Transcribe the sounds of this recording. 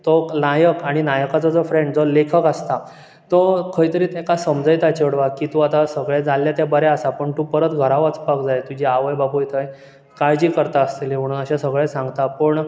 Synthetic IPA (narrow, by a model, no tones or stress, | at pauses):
t̪ɔnajəkaɽ̃inajəkat͡sɔd͡zɔfɾẽɳɖd͡zɔlekʰəkast̪a | t̪əkʰəjt̪əɾiːt̪ekasəmd͡zəjt̪at͡ɕeɽʋakːit̪uat̪asəɡɭed͡zalːjat̪jabəɾɛasapəɳt̪upəɾət̪ɡʱəɾaʋət͡spakd͡zajt̪ud͡ʑiaʋəjbabʱujt̪ʰəj | kajd͡ʑiːkəɾt̪aəst̪elim̤əɽ̃unəɕasəɡɭesãŋɡt̪apəɳ